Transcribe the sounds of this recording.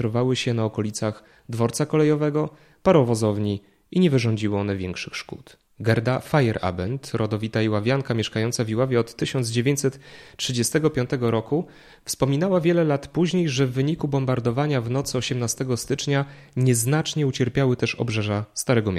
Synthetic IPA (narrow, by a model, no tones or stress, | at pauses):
ɾɔvawɘɕɛnaɔkɔlʲit̪sax | d̪vɔɾt̪sakɔlɛjɔvɛɡɔ | paɾɔvɔzɔvɲi | iɲɛvɘʐɔɲd͡ʑiwɔɔnɛvʲjɛŋkʂɘxʂkṵt̪ | ɡɛɾd̪afajɛɾʔa̰bɛnt̪ɾʔɔd̪ɔvʲit̪aiwavʲjaŋkamʲɛʂkajɔnt̪savʲiwavʲjɛɔt̪ːɘɕɔnd̪zd͡ʑevʲjeɲt͡ɕʲsɛt̪tʂɘd͡ʑɛst̪ɛɡɔpʲjɔnt̪ɛɡɔɾɔku | fspɔmʲinawavʲjɛlɛlat̪puʑɲejʐɛvːɘɲikubɔmbaɾd̪ɔvaɲavnɔt̪sɘɔɕɛmnast̪ɛɡɔst̪ɘt͡ʂɲa | ɲɛznat͡ʂɲɛut͡ɕɛɾpʲjawɘt̪ɛʂɔ̰bʐɛʐast̪aɾɛɡɔmʲ